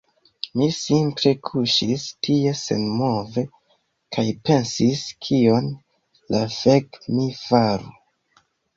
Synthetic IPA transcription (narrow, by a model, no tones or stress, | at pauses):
misimpɾe̞kʰuʃistʰie̞se̞̰nmo̞ve̞ | kʰajpe̞nsiskʰio̞n | lafekmifaɾu